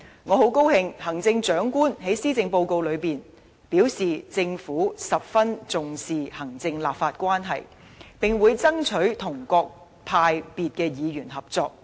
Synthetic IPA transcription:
ŋɔː˨˧ɦo˨˥wko˥whɪ˧ŋhɐ˨˩ŋt͡sɪ˧ŋt͡ʃœː˨˥ŋkuː˥nɦe˨˥jsiː˥t͡sɪ˧ŋpo˧wko˧wlɵ˨˧ɥpiː˨˩n | piː˨˥wsiː˨t͡sɪ˧ŋfuː˨˥sɐ˨p̚fɐ˥nt͡sʊ˨ŋsiː˨hɐ˨˩ŋt͡sɪ˧ŋla̰ː˨˩p̚faː˧t̚kʷaː˥nɦɐ˨j | pɪ˨ŋwuː˨˧jt͡sɐ˥ŋt͡ʃʰɵ˨˥ɥt̪ʰʊ˨˩ŋkɔː˧k̚ | p̪ʰaː˧jpiː˨t̚kɛː˧jiː˨˧ɥy˨˩nɦɐ˨p̚t͡sɔː˧k̚

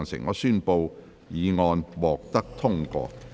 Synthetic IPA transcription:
ŋsɪ̰˨˩ŋŋɔː˨˧syː˥˧npo˧w | jiː˨˧ŋɔː˧nwɔː˨k̚t̪ɐ˥k̚t̪ʰʊ˥ŋkɔ̰ː˧

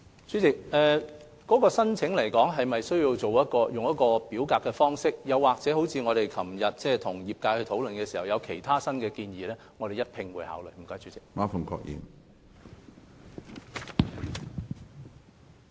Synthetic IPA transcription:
t͡ʃyː˨˥t͡sɪ˨k̚ʔɛː˨ | kɔː˨˥kɔː˧sɐ˥nt͡sʰɪ˨˥ŋlɐ˨˩jkɔː˨˥ŋɦɐ˨jmɐ˨jsɵ˥ɥjiː˧wt͡so˨wjɐ˥t̚kɔː˧jʊ˨ŋjɐ˥t̚kɔː˧piː˨˥wkaː˧kːɛː˧fɔː˥ŋsɪ˥k̚jɐ˨˧wːaː˨k̚t͡sɛː˨˥ho˨˥wt͡sʰiː˧ŋɔː˨˧ɾe˨jkʰɐ˨˩mjɐ˨t̚t͡sɛː˥˩t̪ʰʊ˨˩ŋjiː˨p̚kaː˧jhɵ˧ɥt̪ʰo˨˥wlɵ˨nkɛː˧siː˨˩hɐ˨˩wjɐ˨˧wkʰe˨˩jt̪ʰaː˥sɐ˥nkɛː˧kiː˧njiː˨lɛː˥ŋɔ˨˧ɾe˨jɐ˥t̚pʰɪ˧ŋwuː˨˧˥jha̰ː˨˥wlɵ˨˩m̩˨˩kɔː˨˥jt͡ʃyː˨˥t͡sɪ˨k̚maː˥fʊ˨˩ŋkʰɔ̰ː˧k̚jḭː˨˩n

